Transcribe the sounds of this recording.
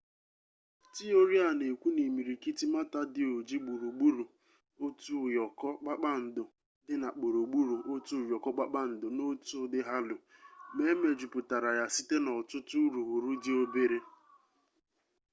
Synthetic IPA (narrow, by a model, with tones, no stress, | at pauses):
ti˦o˦ɾi˦a˨ne˨kʷu˦ne˨mi˨ɾi˨ki˦ti˦ma˦ta˦dɪ˨o˨d͡ʒi˦ɡ͡bu˨ɾu˨ɡ͡bu˦ɾu˨ | o˦tu˦˨jɔ˨kɔ˦k͡pa˦k͡pa˦n̩˨dʊ˨ | dɪ˦na˨k͡pu˨ɾu˨ɡ͡bu˦ɾu˨ʔo˦tu˦˨jɔ˨kɔ˦k͡pa˦k͡pa˦n̩˨dʊ˨no˦tʊ˦dɪ˦ɦa˦lʊ˨me˦me˨d͡ʒu˨pʊ˨ta˨ɾa˨ja˨si˦te˦nɔ˨tʊ˦tu˦ɾu˨ɦu˨ɾu˦dɪ˦o˦be˦ɾe˦